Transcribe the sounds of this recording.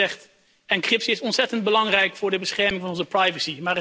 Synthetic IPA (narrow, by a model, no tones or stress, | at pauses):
ɛχt | ɛnkrɪpsiɪsɔnsɛtənd̚bəlɑŋrɛjkfʊːɹdəbəsχɛɹmɪ̃ŋvɑnɔnzəprɑjvəsimaːrə